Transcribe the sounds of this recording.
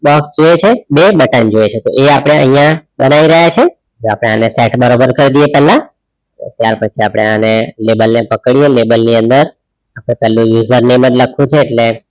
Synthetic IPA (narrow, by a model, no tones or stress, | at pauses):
bɔksd͡ʒoet͡ʃʰebebəʈənd͡ʒoet͡ʃʰet̪o̰ʔeapəɽ̃eə̰ɦĩjãbənaʋiɾəɦat͡ʃʰe | d͡ʒoapɽ̃eaneseʈbəɾobəɾkəɾd̪iepɛlã | o̰t̪jaɾpət͡ʃʰiapɽ̃eanelebəlnepəkɽielebəlniənd̪əɾ | apɽ̃epɛlũjuzəɾnemənləkʰũt͡ʃʰeːʈle